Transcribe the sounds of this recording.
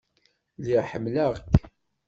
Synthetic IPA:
liʁħəmːlæʁk

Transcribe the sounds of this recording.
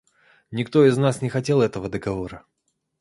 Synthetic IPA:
nʲɪkt̪o̞ɪznasnʲɪxɐtʲe̞lˠɛt̪əvəd̪əɡɐvo̞ɾə

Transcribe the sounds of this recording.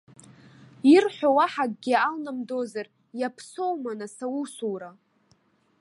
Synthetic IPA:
irħʷᶣawaħaɡ̚ɡʲialnamdo̞zar | japʰsowmanasawusuwɾa

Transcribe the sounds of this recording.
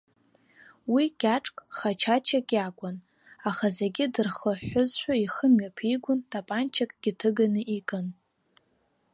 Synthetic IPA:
wiɡ̥ʲaʈ͡ʂʼkʼχat͡ʃʰat͡ʃʰakʲʼjakʷʼʊn | aχazeɡʲɪdɨrχəħʷʊzʃʷᶣaiχəmɥapʰiɡʷʊntʼapʼant͡ʃʰakʼɡ̥ʲɪtʰɨɡanɨʔikʼɨn

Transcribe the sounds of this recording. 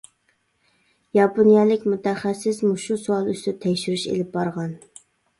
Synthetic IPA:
jɑponijɑlɪkʲmut̪ʰɛχæsːɪsmuʃusuɑlˠyst̪ɪt̪ʰɛkʲʃyɾyʃḛlɪp̚bɑɾʁɑn

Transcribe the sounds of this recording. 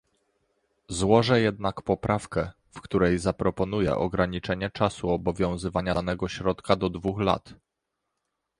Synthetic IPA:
zwɔʐɛjɛd̪nakpɔpɾʔafkɛ | fkt̪uɾɛjzapɾɔpɔnujɛ̰ʔɔɡɾaɲit͡ʂɛɲɛt͡ʂasuɔbɔvʲjɔ̃w̃zɘvaɲanɛɡɔɕɾɔt̪kad̪ɔd̪vuxla̰t̪

